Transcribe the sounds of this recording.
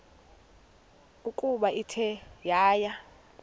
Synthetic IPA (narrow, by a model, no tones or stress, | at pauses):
ukʼuɓaitʰɛjaːja